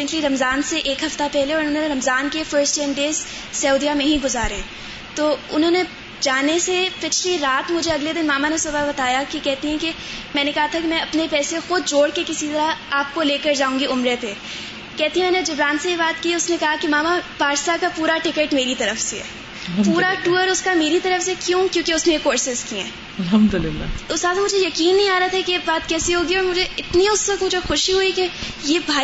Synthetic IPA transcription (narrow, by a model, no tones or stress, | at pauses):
ɪ̃ŋkliɾɐmzaːnseʔeːkɦɐft̪apɛɦleɔːɾʊnɦõːnõneɾɐmzaːnkefəɾsʈɛ̃nɖeːz | sɐʊd̪ijamẽɦĩɡʊzaːɾeɛ̃ | t̪oːʊnɦõːne | d͡ʒaːnesepɪt͡ʃʰliɾaːt̪mʊd͡ʒʱeɐɡled̪ɪnmaːmanesʊbabɐt̪aːjakikɛɦt̪eɦɛ̃ke | mɛ̃ːnekɐɦat̪ʰakemɛ̃ɐpnepɛːsexʊd̪̚d͡ʒoːɽkekɪsit̪ɐɾaaːp̚koleːkəɾd͡ʒaːũːŋɡiʊmɾepe | kɛɦt̪iɦɛ̃mɛːned͡ʒɐbɾaːnsejebaːt̪kiːʊsnekɐɦakemaːmapaːɾsakapuːɾaʈɪkeʈmeːɾit̪ɐɾəfsḛ | puːɾaʈuːəɾʊskameːɾit̪ɐɾəfsekjõːkjõːkeʊsnẽekːoːɾsɪzkiɦɛ̰̃ː | ɐlɦɐmd̪ʊlɪlːa̰ːt̪ʊsaːt̪mʊd͡ʒʱejɐkiːnːɐɦĩaːɾat̪ʰɛkebaːt̪kɛːsiɦoːɡiɔːɾmʊd͡ʒʱeɪt̪niʊsʋɐk̚t̪mʊd͡ʒʱexʊʃiɦʊike | jeːbʱaː